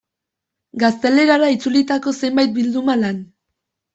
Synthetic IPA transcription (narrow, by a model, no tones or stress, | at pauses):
ɡast̪e̞le̞ɾaɾait͡sulit̪ako̞se̞mbajt̪̚bild̪umalan